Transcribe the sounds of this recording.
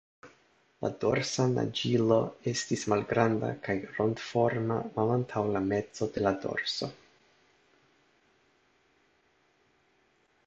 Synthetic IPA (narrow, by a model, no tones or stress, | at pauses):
la̰do̞ɾsana̰d͡ʒilo̞e̞stismalɡɾanda̰kajɾo̞ndfo̞ɾma̰malantʰawlame̞t͡so̞de̞lado̞̰ɾso̞